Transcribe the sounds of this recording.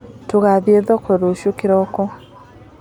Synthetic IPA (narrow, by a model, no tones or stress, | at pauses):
toɣaβjeðɔkɔɾoʃokiɾɔkɔ